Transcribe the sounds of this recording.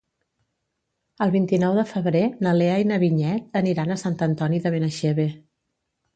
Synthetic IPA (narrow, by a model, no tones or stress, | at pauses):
əlˠβint̪inɔwðəfəβɾenəleajnəβiɲɛt̪̚əniɾanəsant̪ənt̪ɔniðəβenəʃeβe